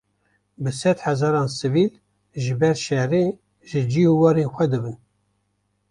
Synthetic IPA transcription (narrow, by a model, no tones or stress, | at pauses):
bɨsɛd̪ħɛzɑːɾɑːnsɨviːl | ʒɨbɛɾʃɛɾe | ʒɨd͡ʒiuwɑːɾeːnxʷɛd̪ɨbɨn